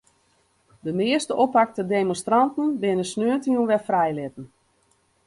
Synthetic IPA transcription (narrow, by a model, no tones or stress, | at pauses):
dəmɪəstəʔopak̚tədemɔnstrantən̩bɪnəsnøəntiənʋɛfrɛjlɪtən̩